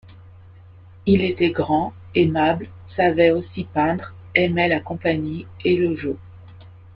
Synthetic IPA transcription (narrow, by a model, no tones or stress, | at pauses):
ilet̪ɛɡʁɑ̃ | emabl | savɛosipɛ̃d̪ʁ | ɛmɛlakɔ̃paɲieləʒo